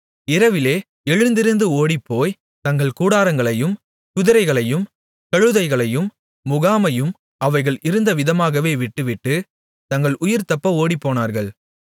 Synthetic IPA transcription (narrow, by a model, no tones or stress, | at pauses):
ɪɾɐʋɪleː | ɛɻɯnd̪ɪɾɯnd̪ɯoːɽipːoːj | t̪ɐŋɡɐɭkuːɽaːɾɐŋɡɐɭɐjɯm | kʊðɪɾɐɪɣɐɭɐjɯm | kɐɻɯðɐɪɣɐɭɐjɯmː | ʊɣaːmɐjɯm | ɐʋɐɪɣɐɭʔɪɾɯnd̪ɐʋɪðɐmaːɣɐʋeːʋɪʈːɯʋɪʈːɯ | t̪ɐŋɡɐɭʔʊjɪɾt̪ɐpːɐoːɽipːoːnaːɾɣɐɭ